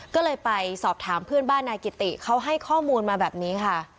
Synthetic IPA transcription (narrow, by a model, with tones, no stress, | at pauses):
kɔː˥˩lɤː˧jpa˧jsɔː˨˩p̚t̪ʰaː˩˦mpʰɯ˥˩ənbaː˥˩nːaː˧ki˨˩t̪ḭ˨˩kʰa˦˥wɦa˥˩jkʰɔː˥˩muː˧nmaː˧bɛː˨˩p̚niː˦˥kʰa˥˩